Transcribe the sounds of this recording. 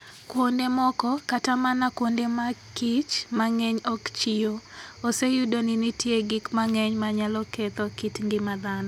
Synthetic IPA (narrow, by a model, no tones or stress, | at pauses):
kwondemɔkɔkatamanakwondemakit͡ʃmaŋɛɲɔkt͡ʃɪoosejudonɪnitjeɡikmaŋɛɲmaɲalɔkɛt̪ɔkitŋɡɪmad̪anɔ